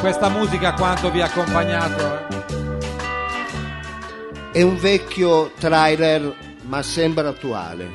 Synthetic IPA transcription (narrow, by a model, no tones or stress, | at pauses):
kwɛst̪amuːzikakwant̪oviakːompaɲːaːt̪o | ɛuɱvɛkːjot̪ɾajlɛr | masːɛmbɾaat̪ːua̰ːlḛ